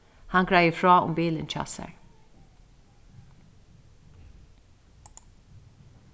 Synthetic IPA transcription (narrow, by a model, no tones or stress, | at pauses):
haŋɡɹajəfɹɑːʊ̰mbiːlənt͡ʃʰɑ̰ːsɛ̰ɹ